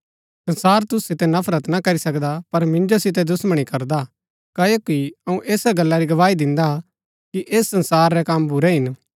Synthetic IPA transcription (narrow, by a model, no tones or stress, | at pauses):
sɐ̃nsaːɾt̪ʊsːɪt̪ɛnɐpʰɾət̪nɐkɐɾisɐkd̪apɐɾmɪ̃nd͡ʒosɪt̪̬ɛd̪ʊsməɽ̃ikɐɾd̪a | kaːjokiɐũʔeːsaɡɐlːaɾiɡɐʋaːid̪ɪ̃nd̪a | kiʔeːsːɐ̃nsaːɾːɛkɐmbʱʊɾɛɦɪn